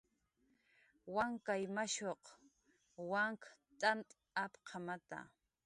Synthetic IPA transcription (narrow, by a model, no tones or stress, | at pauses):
waŋkajmaʃoq | waŋkt̪ʼant̪ʼ | apqʰɑmat̪a̰